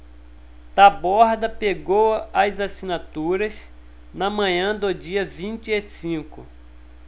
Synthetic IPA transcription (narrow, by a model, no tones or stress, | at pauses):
t̪abɔɾd̪ɐpeɡowɐzasinat̪uɾɐs | nɐmɐ̃ɲɐ̃d̪ʊd͡ʒiɐvĩnt͡ʃɪesĩkʊ